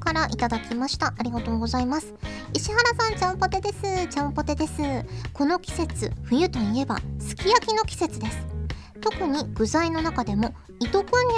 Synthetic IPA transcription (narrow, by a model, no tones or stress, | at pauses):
kaɾaʔit̪ad̪akʲimaɕi̥t̪aʔaɾʲiɡat̪o̞ːɡo̞zaimasɨ̥iɕihaɾasãɲt͡ɕãmpo̞t̪e̞d̪e̞sɨt͡ɕãmpo̞t̪e̞d̪e̞sɨko̞no̞kʲi̥se̞t͡sɨɸɯ̟jɯ̟t̪o̞ie̞ba̰sɨ̥kʲijakʲino̞kʲi̥se̞t͡sɨd̪e̞sɨ̥ | t̪o̞kɯ̟ɲ̟iɡ̥ɯ̟zaino̞nakad̪e̞mo̞ | it̪o̞kɯ̟ɲ̟ːi